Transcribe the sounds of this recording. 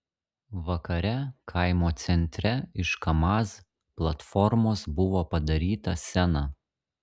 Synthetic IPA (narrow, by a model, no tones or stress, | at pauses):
ʋɐkɐɾʲɛkʰɐɪmoːt̪sʲɛnʲt̪ʲɾʲɛɪʃkɐmɑːs | plˠɐt̪fɔɾmoːsbʊʋoːpɐd̪ɐɾʲiːt̪ɐsʲɛnɑ